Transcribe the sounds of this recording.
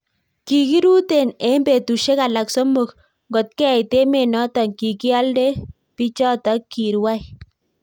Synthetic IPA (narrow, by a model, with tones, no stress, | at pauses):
ki˨ki˦ɾu˦te˨ne˦mbe˨tu˨ʃe˦ka˨la˨kso˦mu˨k | ŋɡɔ˨t̚kɛ˦˨jte˦me˨nɔ˦tɔ˨ŋki˨ki˦a˦lde˦ | pi˦t͡ʃɔ˦tɔ˨˦ki˨ɾwa˦j